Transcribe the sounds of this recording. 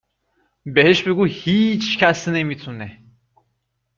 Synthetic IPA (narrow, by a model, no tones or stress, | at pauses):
beɦeʃbeɡuhit͡ʃʰcʰæsnemit̪ʰune